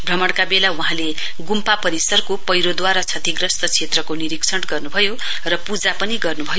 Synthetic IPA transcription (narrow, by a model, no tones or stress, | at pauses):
bʱrʌmʌɽkabelauɦãle | ɡumpapʌɾisʌrkopʌjɾod̪waɾat͡sʰʌt̪ʰiɡrʌst̪ʌt͡sʰet̪rʌkoniɾiksʰʌʈɡʌrnubʱʌjo | rʌpud͡zapʌniɡʌrnubʱʌjo